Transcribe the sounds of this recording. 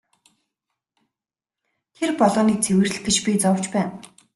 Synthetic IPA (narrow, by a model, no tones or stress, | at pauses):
t̪ʰerpɔɮɔːniːk̚t͡sʰewɘ̆r̆ɡet͡ɕpʲit͡sɔw̥t͡ɕpæːn